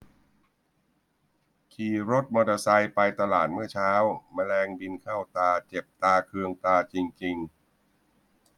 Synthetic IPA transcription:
kʰiː˧ɾo˦˥t̪̚mɔː˧d̪a˧sa˧jpa˧jt̪a˧laː˨˩t̪̚mɯ˥˩ɐt͡ɕʰaː˦˥wmaː˧lɛː˧ŋbi˧nkʰaː˥˩wt̪aː˧t͡ɕe˨˩p̚t̪aː˧kʰɯ˧əŋt̪aː˧t͡ɕi˧ŋt͡ɕi˧ŋ

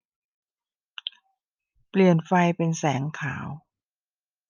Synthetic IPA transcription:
pli˨˩ənfa˧jpe˧nsɛː˩˦ŋkʰa̰ː˩˦w

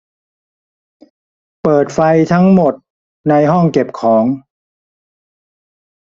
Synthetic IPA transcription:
pɤː˨˩t̪̚fa˧jt̪ʰa˦˥ŋmo˨˩t̪̚ | na˧jɦɔ˥˩ŋke˨˩p̚kʰɔː˩˦ŋ

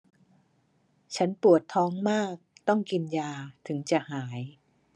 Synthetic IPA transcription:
t͡ɕʰa˦˥npu˨˩ət̪ʰːɔː˦˥ŋmaː˥˩k̚t̪ɔ˥˩ŋki˧njaː˧t̪ʰɯ˩˦ŋt͡ɕa˨˩haː˩˦j

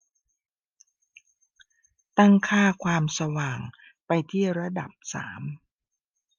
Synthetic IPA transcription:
t̪a˥˩ŋkʰaː˥˩kʰwaː˧msa˧waː˨˩ŋ | pa˧jt̪ʰiː˥˩ɾa˧da˨˩p̚sa̰ː˩˦m

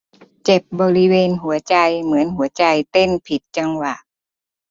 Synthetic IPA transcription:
t͡ɕe˨˩p̚bɔː˧ɾi˦˧˥weː˧nɦu˨˩˦ɐt͡ɕa˧jmɯ˩˦ənɦu˨˩˦ɐt͡ɕa˧jt̪e˧˥˩npʰi˨˩t̪̚t͡ɕa˧ŋwa˨˩ʔ

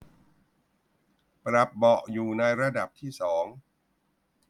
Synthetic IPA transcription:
pɾa˨˩p̚bɔ˨˩ʔjuː˨˩na˧jɾa˧da˨˩p̚t̪ʰiː˥˩sɔː˩˦ŋ

